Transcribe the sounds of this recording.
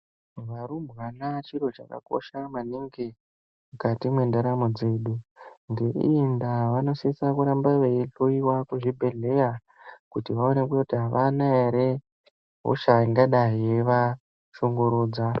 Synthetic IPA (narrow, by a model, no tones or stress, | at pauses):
ʋaɾumbwanat͡ʃiɾo̞t͡ʃaka̰ko̞̰ʃamaniŋɡe | mukatimwe̞ndaɾamod͡ze̞ːɗuŋɡe̞ḭindaʋano̞sisakuɾambaʋeeɬoiwakuʐibʱe̞ɮe̞ja | kutiʋaonekuotiɦaʋanaeɾe | ɦo̰ʃaiŋɡaɗaɦieʋa | ʃo̞ŋɡoɾuːd͡za